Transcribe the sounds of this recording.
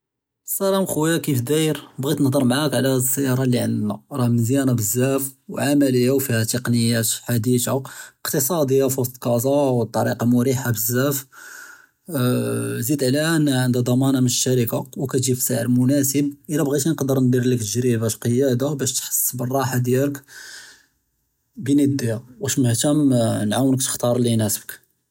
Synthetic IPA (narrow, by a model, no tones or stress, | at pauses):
sælæmxuwjakifd̪ijɾbɣit̪nhd̪ˤəɾˤmʕakʕlæsːæjɑɾˤɑlːiʕənd̪næɾˤɑhməzjænabəzːæfwʕamæləjːawfihæt̪əqnəjːæt̪ħad̪it̪aəqt̪əsˤɑd̪əjːafuslqɑzɑwt̪ˤːɑɾiqɑmʊɾiħabəzːæf | zid̪ʕlæʔənːæʕənd̪æd̪ˤɑmɑnɑmənəʃːæɾəkawkæʒifi̥saʕəɾmʊnæsəb̚ʔəlæbɣit̪inqd̪əɾnd̪iɾləkt̪əʒɾibæʃqəjæd̪abæʃt̪ħə̥sːbərˤːɑħad̪jælək | bənid̪ːijawæʃməht̪æmnʕawnək̚t̪ə̥xt̪ɑɾˤlːinæsəbək